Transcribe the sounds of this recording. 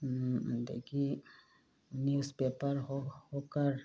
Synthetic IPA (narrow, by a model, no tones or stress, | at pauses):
d̪ḛːkʰi | njuːspeːpəɾɦohoːkəɾ